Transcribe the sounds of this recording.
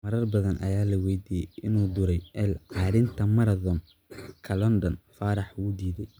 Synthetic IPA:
mɐɾɐrbɐðɐnʔɐ̰jaːlɐwɛjd̪iːjɛjʔɪnuːd̪ʊɾɛjʔɛlʕɑːɾɪnt̪ʰɐmɐɾɐðɔm | kʰɐlɔnd̪ɔnfaːɾɑħuːd̪iːðɛj

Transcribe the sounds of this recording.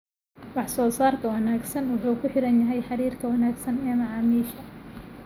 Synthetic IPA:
wɑħsɔːsaːrk̪ʰɐwɑnaːɡsɐnwʊħuːkʰʊħɪɾɐnjɐɦɛjħɑɾiːrkʰɐwɐnaːɡsɐnɛːmɑʕɑːmiːʃɐ

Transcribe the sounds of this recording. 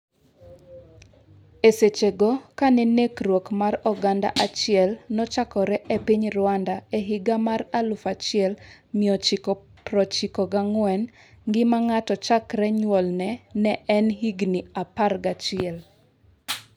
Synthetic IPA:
eset͡ʃeɡɔkanɛnekrwokmarɔɡanda̰ʔat͡ʃɪɛlnɔt͡ʃakɔɾɛʔepiɲrʊwandaeɦiɡamaralʊfat͡ʃɪɛlmiɔt͡ʃikɔ | pɾɔt͡ʃikɔɡaŋwɛn | ɡɪmaŋatɔt͡ʃakɾɛɲwɔlnɛnɛʔɛnɦiɡniaparɡat͡ʃɪɛl

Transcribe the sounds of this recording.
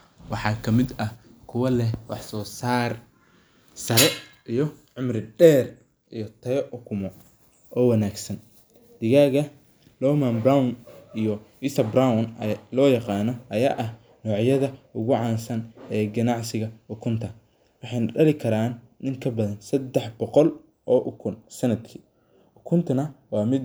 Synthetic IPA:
wɑħɑːkʰɐmɪd̪ɐ | kʰʊwɐlɛwɑħsɔːsaːr | sɐɾɛʔijɞʕʊmrɪɖɛːr | ʔijɔt̪ʰɐjɔʔʊkʰʊmɔ | ʔɔːwɐnaːɡsɐn | d̪̥ɪɣaːɣɐ | lɔːmɐnbrawʊnijɔɪsɐbrawnlɔːjɑqɑːnɔʔɐjaːʔɐh | nɔːʕjɐðɐʊɣʊʕɑːnsɐnɛːɡɐnɑʕsɪɣɐʊkʰʊnt̪ʰɐ | wɑħɑjnɐɖɐlɪkʰɐɾaːnːɪŋkʰɐbɐðɐnsɐd̪ːɛħbɔqɔl | ʔɔːʔʊkʰʊnsɐnɐd̪kʰiː | ʔʊkʰʊnt̪ʰɐnɐwɑːmɪd̪

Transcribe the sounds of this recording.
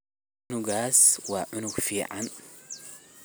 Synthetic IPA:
nuɡaswaʔʊnuɡfiʕan

